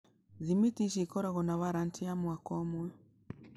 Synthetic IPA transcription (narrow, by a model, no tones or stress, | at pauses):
zimitiʃikɔɾaɣɔnaβaɾantʰiamwakɔmwɛ